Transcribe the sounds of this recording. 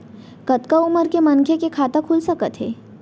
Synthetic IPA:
kət̪kauməɾkemənkʰekekʰat̪akʰulsəkət̪ɦeː

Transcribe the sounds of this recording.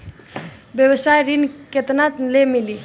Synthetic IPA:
bjəwəsajɾinket̪nat̪lemili

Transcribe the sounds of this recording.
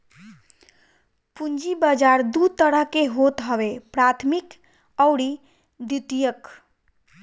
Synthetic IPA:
pund͡ʒibəd͡ʒaɾd̪ut̪əɾəɦkeɦot̪ɦəʋepɾat̪ʰmik | əwɽi | d̪it̪ijək

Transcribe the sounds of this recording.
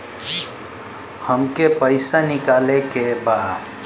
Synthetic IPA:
həmkepəɪsanikalekeba

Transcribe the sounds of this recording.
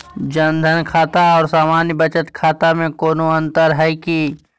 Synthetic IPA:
d͡ʒənd̪ʱənkʰaːt̪aɔːɾsaːmaːnjbət͡ʃət̪kʰaːt̪amẽkoːnoə̃nt̪əɾɦɛki

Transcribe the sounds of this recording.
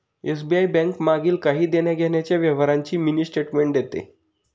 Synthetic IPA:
es̬biajbɛ̃ŋkmaɡiːlkaɦiːd̪enjaɡʱenjat͡ɕjaʋjeʋəɾãɲt͡ɕiːminiːsʈeʈmeɳʈd̪jet̪ḛ

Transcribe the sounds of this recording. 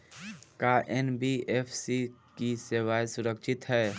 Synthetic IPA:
kaʔɛnbieːpʰsikiseːwaːjsʊɾəkʃɪt̪ɦɛː

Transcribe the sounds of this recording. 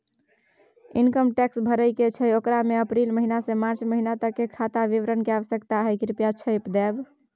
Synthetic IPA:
inkəmʈɛksbʱəɾəjket͡ʃʰəjokɾameəpɾilməɦinasẽmaɾt͡ʃməɦinat̪əkːekʰat̪aʋiʋɾənkeaʋəsjəkt̪aɦɛkɾipjat͡ʃʰəjpd̪ɛb

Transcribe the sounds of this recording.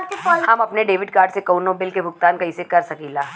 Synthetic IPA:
ɔɦɐmɐpneɖeːʋɪɖkaːɾɖsekɐʊnõbɪlkebʱʊk̚t̪aːnkɐisekɐɾsɐkiːlaː

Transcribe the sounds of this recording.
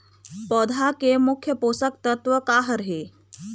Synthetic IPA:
pɔːd̪ʱakemʊkʰjəpoːsək̚t̪ət̪ʋəkaːɦəɾɦeː

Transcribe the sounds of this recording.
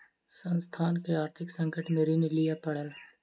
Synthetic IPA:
sə̃nst̪ʰaːnkeaːɾt̪ʰɪksə̃ŋkəʈmeːɾinelɪjapɐɽ̤əl

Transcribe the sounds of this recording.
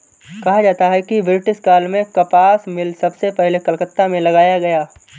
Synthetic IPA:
kɐɦad͡ʒaːt̪aɦɛkiʋɾɪʈɪskaːlmẽkɐpaːsmɪlsɐbsepɛɦlekɐlkət̪ːamẽlɐɡaːjaɡɐjaː

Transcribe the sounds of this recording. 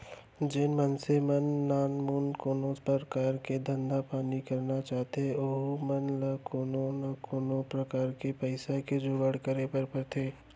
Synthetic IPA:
d͡ʒɪnmɐnsemɐnːaːnmuːnkoːnoːspəɾkaːɾked̪ɐ̃nd̪apaːnikɐɾnat͡ʃaːɦt̪eoɦmɐnlakoːnonakoːnõpɾɐkaːɾkepəɪsaked͡ʒoːɡəɽ̤kɐɾepɐɾpɐɾt̪ʰeː

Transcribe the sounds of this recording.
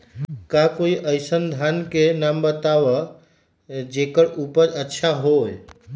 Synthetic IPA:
kakoiʔəɪsənd̪ʱankenambət̪aʋə | d͡ʒekəɾupəɾətːʃʰaɦoj

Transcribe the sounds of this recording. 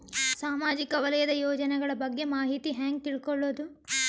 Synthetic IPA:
saːmaːd͡ʒikɐʋɐlɐjɐd̪ɐjoːd͡ʒɐnɛɡɐɭɐbɐɡːe̞maːɦit̪iɦaːŋɡ̚t̪iɭkoɭːoːd̪u

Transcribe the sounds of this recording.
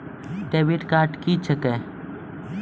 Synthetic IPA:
ʈebiʈkaːʈkit͡ʃʰəke

